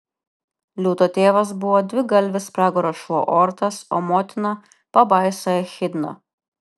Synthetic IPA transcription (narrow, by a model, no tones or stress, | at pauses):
lʲuːt̪oːt̪ʲeːʋɐs̬bʊʋɔːd̪ʲʋʲɪɡɐlʲʋʲɪspɾɑːɡɔɾoʃɔʔoːɾt̪ɐso̰ːmoːt̪ʲɪnɐ | pɐbɐˑɪsojɛxʲɪd̪nɐ̰